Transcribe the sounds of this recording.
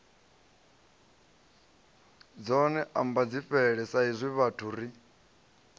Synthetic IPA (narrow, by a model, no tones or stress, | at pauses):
d͡zɔnɛʔambad͡ziɸɛɺɛsaizʷiβatʰuɾi